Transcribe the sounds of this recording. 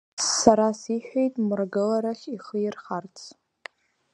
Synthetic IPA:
aɾasiħᶣejtʼmɨrɡɨlaɾaχʲiχəjɪrχart͡sʰ

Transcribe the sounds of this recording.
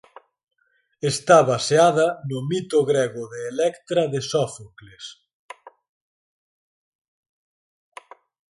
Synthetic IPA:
est̪aβaseaðɐnʊmit̪ʊɣɾɛɣʊðeːlɛkt̪ɾɐðɪsɔfokles

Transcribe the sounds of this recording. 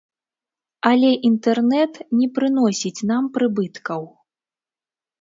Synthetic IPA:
ɐlʲɛʔint̪ɛrnɛt̪nʲɛpɾɨn̪ɔsʲit͡sʲnampɾɨbɨt̪kɐw

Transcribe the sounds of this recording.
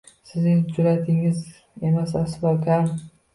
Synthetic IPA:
sɪznɪŋd͡ʒʊɾat̪ʰɪŋɪz | emasasbɒkʲʰan

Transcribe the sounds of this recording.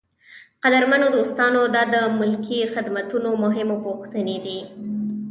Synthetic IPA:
qad̪aɾmanod̪əʊst̪ɑnod̪ɑd̪əmʊlkixɪd̪mat̪unomʊɦɪmopoxt̪əned̪i

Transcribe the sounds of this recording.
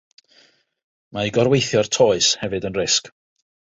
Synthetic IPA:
maiɡɔrwejθjɔrtʰoːɨshɛvɨdənrɪsk

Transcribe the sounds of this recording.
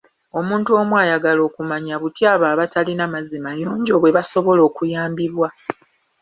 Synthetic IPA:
o̞muːntuo̞mwajaɡalo̞ːkumaɲaβutjaːβaːβatalinamazimajoːɲɟo̞βwe̞βaso̞βo̞lo̞ːkujaːmbiβwa

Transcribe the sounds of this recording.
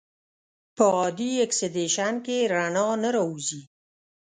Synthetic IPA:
pəɑd̪ieksed̪eʃankeɾanɑnəɾɑuzi

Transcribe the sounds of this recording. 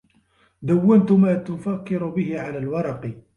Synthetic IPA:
d̪awːant̪ʊmæːt̪ʊfakːɪɾʊbɪhɪʕalæːlwɑɾˤɑqi

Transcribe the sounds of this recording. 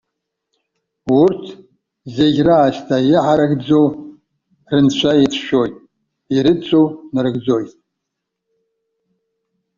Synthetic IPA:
urtʰ | zeɡʲraːʃtʰajiʕaɾaɡd͡zow | rɨnt͡ɕʷʰajitʰʃojtʼ | iɾɨt͡sʷʰʼownɨrɨɡd͡zojtʼ

